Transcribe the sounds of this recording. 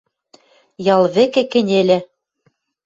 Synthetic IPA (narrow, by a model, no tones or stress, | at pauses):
jɑlˠβɘ̆kɘ̆kɘ̆nʲelʲɘ